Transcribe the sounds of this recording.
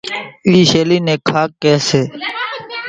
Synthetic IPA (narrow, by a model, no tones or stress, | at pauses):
iːʃeːliːnẽːkʰaːkːeːseː